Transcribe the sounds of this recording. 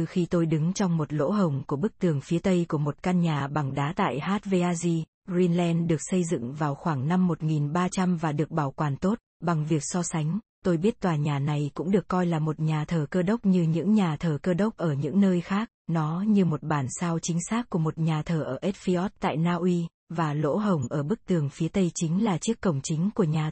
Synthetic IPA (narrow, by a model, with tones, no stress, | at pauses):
ɨ˧xi˧t̪o˧jɗɨ˨˦ŋt͡ɕɔ˧wŋ͡mmo˨˩t̚lo̰˧˥ɦə˨˩wŋ͡mku˧˩əɓɨ˦˥k̚t̪ɨ˨˩əŋfi˨˦t̪ə˧jku˧˩əmo˨˩t̚ka˧nɲaː˨˩ɓa˨˩ŋɗaː˨˦t̪a̰ː˧˨jhaː˦˥t̚ve˧ʔaː˧zi˧ | zi˧nlɛ˧nɗɨ˨˩ək̚sə˧jzɨ̰˧˨ŋvaː˨˩wxwaː˧˩ŋna˧mːo˨˩t̚ŋi˨˩nɓaː˧t͡ɕa˧mvaː˨˩ɗɨ˨˩ək̚ɓaː˧˩wkwaː˨˩nt̪o˦˥t̚ɓa˨˩ŋvi˨˩ək̚sɔ˧sa˨˦ŋ̟ | t̪o˧jɓi˦˥ət̚t̪waː˨˩ɲaː˨˩na˨˩jkʊ̰˧˥ŋ͡mɗɨ˨˩əkːɔ˧jlaː˨˩mo˨˩t̚ɲaː˨˩t̪ʰəː˨˩kəː˧ɗə˦˥wk͡p̚ɲɨ˧ɲɨ̰˧˥ŋɲaː˨˩t̪ʰəː˨˩kəː˧ɗə˦˥wk͡p̚ʔəː˧˩ɲɨ̰˧˥ŋnəː˧jxaː˦˥k̚nɔ˨˦ɲɨ˧mo˨˩t̚ɓaː˧˩nsaː˧wt͡ɕï˨˦ŋ̟saː˦˥k̚ku˧˩əmo˨˩t̚ɲaː˨˩t̪ʰəː˨˩ʔəː˧˩ʔe˦˥t̚fi˧ʔɔ˦˥t̚t̪a̰ː˧˨jnaː˧ʔwi˧ | vaː˨˩lo̰˧˥ɦə˨˩wŋ͡mʔəː˧˩ɓɨ˦˥k̚t̪ɨ˨˩əŋfi˨˦t̪ə˧jt͡ɕï˨˦ŋ̟laː˨˩t͡ɕi˦˥əkːə˨˩wŋ͡mt͡ɕï˨˦ŋ̟ku˧˩əɲaː˨˩